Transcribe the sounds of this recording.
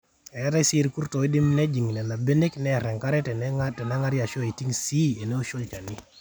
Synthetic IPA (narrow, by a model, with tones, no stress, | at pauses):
ɛ˨˦ɾa˦si˦ɾiku˦ɾto˨i˦dɪ˦mnɛ˦d͡ʒi˨ŋi˨nɛ˨na˨be˦ne˦knɛ˦ɾɛ˨ŋka˦ɾɛ˦tɛ˨ntɛ˨na˦ŋa˦ɾja˨ʃo˦e˨ti˦ŋsi˦e˨ne˦o˦ʃo˦lt͡ʃa˨ni˦